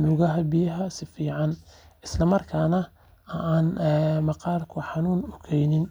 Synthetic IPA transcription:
mʊːɣɐɦɐbijɐɦɐsɪfiːʕɑnɪslɐmɐrkʰaːnɐ | ʔaːnːmɑqɑːrkʰʊħɑnuːnʊkʰɛjnɪn

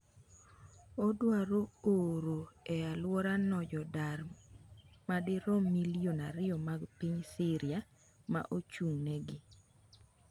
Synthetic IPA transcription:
odwaɾooɾoɛalwɔɾanɔd͡ʒɔdaɾ | madɪɾɔmːilionaɾɪɔmaɡpiɲsɪɾɪja | ma̰ʔot͡ʃuŋnɛɡɪ

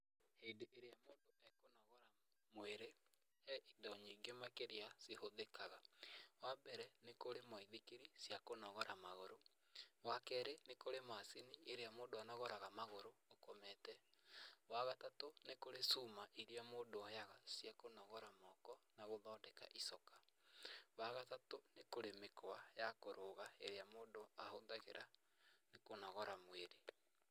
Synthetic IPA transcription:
hedeʔeɾeamoːndoɛkonɔɣɔɾa | moeɾe | hɛʔindaoɲiːŋɡemakeɾeasehoðekaɣawabɛɾɛnekoɾemaiðikeɾisjakonɔɣɔɾamaɣoɾo | wakɛɾenekoɾemasinieɾeamoːndoanɔɣɔɾaɣamaɣoɾoːkomɛtɛ | waɣatatonekoɾesumaʔiɾeamoːdoajaɣasjakonɔɣɔɾamɔkɔnaɣoðɔndɛka̰ʔisɔkḁ | βaɣatatonekoɾemekwajakoɾoɣaeɾeamoːndoahondaɣḛɾʔa | nekonɔɣɔɾamweɾe

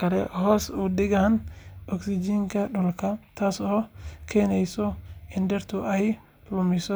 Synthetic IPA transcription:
kʰɐlɛ̰hɔːsʊdɪɣanɔksɪd͡ʒiːŋkʰɐɗɔlkʰɐt̪ʰaːsɔːkʰɛːnɛjsɔɪndɛrt̪ʰʊʔɛj | lʊmɪsɔ

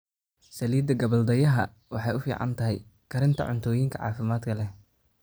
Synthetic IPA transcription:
sɐliːd̪ɐɡɐβɐld̪ɐjɐɦɐ | wɑħɑjʊfḭːʕɑ̰nt̪ʰɐɦɛjkʰɐɾɪnt̪ʰɐ̰ʕʊnt̪ʰɔːjɪŋkʰɐ̰ʕɑ̰ːfɪmaːd̪kʰɐlɛ

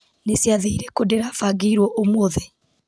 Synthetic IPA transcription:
nesjaðeiɾekodeɾafaːɡiiɾwɔʔomwoðe

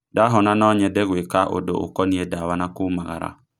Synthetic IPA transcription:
daɦɔnanɔɲɛdɛɣwekaʔo̰do̰ʔo̰kɔniedawanakumaɣa̰ɾa̰

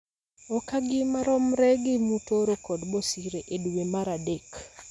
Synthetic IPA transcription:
ɔkaɡɪmaɾɔmɾɛɡɪmutoɾokɔdbɔsiɾeʔedwemaɾadek

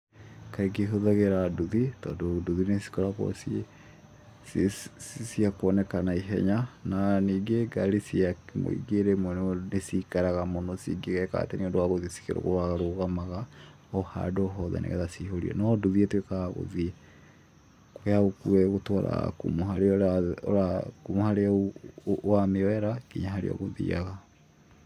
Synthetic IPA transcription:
kaiɡeɦoðaɣeɾaduðitɔdoduðinesi̥kɔɾakɔ̰s | ssiakɔnɛkanaiɦɛ̰ɲananiɡeɡaɾisiamo̰ḭɡeɾemɔnnesikaɾaɣamonosḭɡeɣɛka̰teniondowaɣoðisi̥keɾo̰ɣo̰aɣaɾoɣamaɣa | ɔha̰dɔɦɔðɛ̰nḛɣɛðasihoɾḭɔ̰nɔduðietwekaɣaɣo̰ði | kojaɣokuɛɣotwaɾa̰kumoɦaɾeɔɔ̰ɾakumohaɾe | wameɔɛɾakiɲaɦaɾḛɔ̰ɣoðḭa̰ɣa

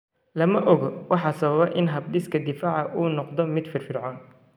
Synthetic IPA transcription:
lɐmɐʔɔɣɔwɑħɑsɐβɐβɛʔɪnɦɐbɖɪskʰɐd̪ɪfaːʕɑʔuːnɔqd̪ɔmɪd̪fɪrfɪrʕɔːn

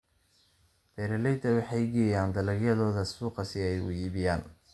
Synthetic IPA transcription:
b̥ɛːɾɛlɛjt̪ʰɐwɑħɑjɡɛjaːnd̪ɐlɐɡjɐðɔːðɐsuːqɑsɪɛjʊ̰jiːβɪjaːn

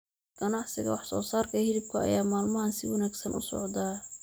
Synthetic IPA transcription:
ɡ̥ɐnɑʕsɪɣɐ̰wɑħsɔ̰ːsaːrkʰɐhɪɾɪb̚kʰʊɐ̰jaːmaːlmɐɦɐnsɪwɑnæːɡsɐnʊsɔ̰ʕd̪aː

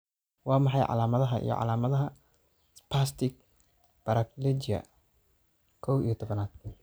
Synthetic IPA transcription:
wɑːmɑħɑjʕɑ̰laːmɐðɐɦɐʔḭjɔ̰ʕɑ̰laːmɐðɐɦɐ | spʰast̪ɪk̚ | b̥ɐɾɐklɛd͡ʒɐ̰ | kʰɔwḭjt̪ʰɔβɐnaːd̪̚

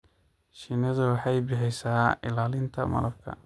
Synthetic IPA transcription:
ʃɪnɐðʊwɑħɑjbɪħɛjsaːɪlaːlɪnt̪ʰɐmɐ̰lɐb̚kʰɐ̰

